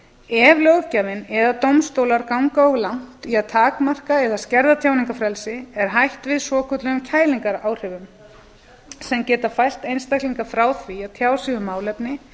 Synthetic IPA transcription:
ɛvlowɣcavɪnɛðat̪owmst̪owlaɾkawŋkaɔɣlawn̥t̪iaðt̪ʰaːkmar̥kaɛðascɛɾðat̪ʰjaːwniŋkafɾɛlsɪɛɾ̥ɦajht̪vɪðsɔːkʰœt̪lʏɣʏmcʰaːjliŋkaɾaːwr̥ɛvʏm | sɛmcɛːt̪afajl̥t̪ejnst̪ajkliŋkafɾaːwθviat̪ʰjaːwsiɣʏmːaːwlɛpnɪ

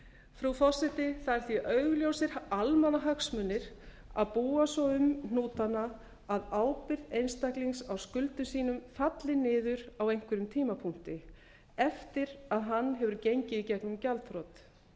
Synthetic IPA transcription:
fɾufɔr̥sɛt̪ɪθaðɛɾ̥θiʔœɥɣljowsɪɾ̥almanaɦaksmʏnːɪɾ̥ | a̰ðpuːasɔwʏmnuːt̪anːaː | ðaːwpɪɾðejnst̪akliŋksawskʏlt̪ʏsiːnʏmfat̪lɪnɪːðʏɾawejŋ̥kʰvɪɾʏmt̪ʰiːmapʰuŋ̥t̪ɪ | ɛft̪ɪɾaðɦanːɦɛvʏɾcejɲcɪicɛknʏmcalt̪fɾɔt̪

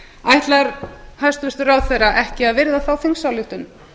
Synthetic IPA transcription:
ajht̪laɾhast̪vɪst̪raːwθɛjraʔɛhcɪaðvɪɾðaθawfɪŋsawljuht̪ʏn

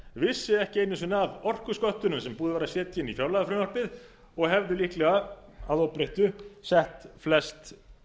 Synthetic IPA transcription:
vɪsːɪɛhcɪeːjnːʏns̬ʏnavɔr̥kʏskɔht̪ʏnʏmsɛmpuːðʏvaːɾasjɛːt̪jɪnːifjawlaðafɾɪnɔr̥pɪð | ɔɣhɛvðʏlihklɛɣa | aðowpɾeht̪ʏsɛht̪flɛst̪

